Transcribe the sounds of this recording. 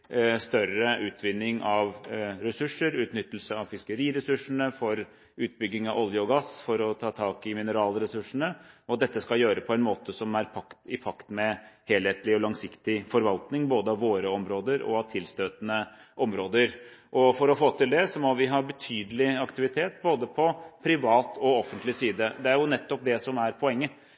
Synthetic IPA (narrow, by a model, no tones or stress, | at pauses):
st̪œɾəʔʉːt̪ʰʋɪnːɪŋɑʋɾɛsʉʂəɾʉːt̪nʏt̪ːəl̩səɑʋfɪskəɾiːɾɛsʉʂːəɳəfɔɾ | ʉːt̪̚bʏɡːɪŋɑʋɔljəɔɡɑsfɔɾɔt̪ʰɑːt̪ʰɑːkɪmɪnəɾɑːlɾɛsʉʂəɳəɔt̪̚d̪ɛt̪ːəskɑljøːɾəpʰɔɛnmoːt̪əsɔmæɾpʰɑkt̪ɪpʰɑkt̪mɛheːlheːt̪lɪɔlɑŋsɪkt̪ɪfɔɾʋɑlt̪nɪŋboːd̪əɑʋoːɾəɔmɾoːd̪əɾɔ̰ɑʋt̪ʰɪlst̪øːt̪nəʔɔmɾoːd̪əɾʔɔfɔɾɔfoːt̪ʰɪld̪ɛsɔmɔʋɪɦɑɾbət̪ʰyːd̪əlɪɑkt̪ɪʋɪt̪ʰeːt̪boːd̪əpʰɔpʰɾɪʋɑːt̪ʰɔɔfːənt̪lɪsiːd̪əd̪ɛæɾjʊnɛt̪ːɔp̚d̪ɛsɔmæɾpʰɔɛŋːə